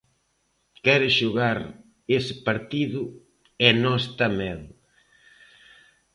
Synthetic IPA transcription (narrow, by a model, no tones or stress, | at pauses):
kɛɾɪʃuɣaɾ | esɪpaɾt̪iðʊ | ɛnɔst̪ɐmɛð